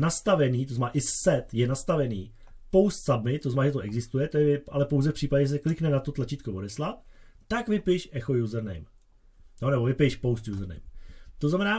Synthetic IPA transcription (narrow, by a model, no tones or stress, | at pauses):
nast̪avɛniːt̪oznmɛnaːʔɪsɛt̪jɛnast̪avɛnḭː | powst̪sadmɪt̪oznanaːʒɛt̪oʔɛɡzɪst̪ujɛt̪ojɛʔa̰lɛpowzɛfpr̝̥iːpaɟɛɛs̬ɛklɪknɛnat̪o̞t̪lat͡ʃiːt̪kovodɛslat̪ | t̪akvɪpɪʃʔɛxo̞juzr̩nɛ̰jm | jonɛbovɪpɪjʃpowst̪juːzrnɛ̰jmt̪oznamɛnaː